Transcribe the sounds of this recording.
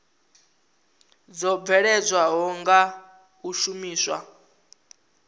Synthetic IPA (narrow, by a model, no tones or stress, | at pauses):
d͡zɔb̪vɛɺɛd͡zʷwaɦɔŋɡa | uʃumiːswa̰